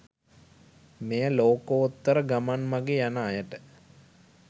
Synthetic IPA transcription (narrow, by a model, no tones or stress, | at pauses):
mejəloːkoot̪ːəɾəɡamanmaɡejanaːjəʈə